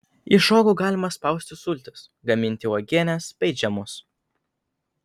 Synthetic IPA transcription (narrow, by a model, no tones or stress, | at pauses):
iˑʃoːɡʊɡɑːlʲɪmɐspɐˑʊsʲt̪ʲɪsʊlʲt̪ʲɪsɡɐmʲɪnʲt̪ʲɪɔːɡʲeɛnʲɛspʲɛɪd͡ʒʲɛmʊs